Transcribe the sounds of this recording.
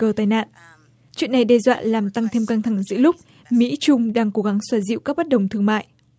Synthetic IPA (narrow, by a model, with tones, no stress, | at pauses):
kəː˨˩t̪aː˨˧jna̰ː˧˨n | t͡ɕwḭ˧˨ənːa˨˩jɗɛ˧zwa̰ː˧˨laː˨˩mt̪a˧ŋt̪ʰe˧mkaː˧ŋt̪ʰa˧˩ŋzɨ̰˧˥əlʊ˦˥k͡p̚ | mḭ˧˥t͡ɕʊ˧ŋ͡mɗaː˧ŋko˨˦ɣa˨˦ŋswaː˧˩zḭ˧˨wkaː˦˥k̚ɓə˦˥t̚ɗə˨˩wŋ͡mt̪ʰɨ˧əŋma̰ː˧˨jʔ